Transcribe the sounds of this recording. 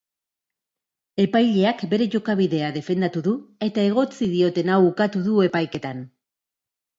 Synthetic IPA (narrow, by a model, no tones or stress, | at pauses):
e̞pajʎe̞akbe̞ɾe̞ʝo̞kaβ̞iðe̞aðe̞fe̞nd̪at̪uðue̞t̪ae̞ɣ̞o̞t͡siðio̞t̪e̞nawukat̪uðue̞pajke̞t̪an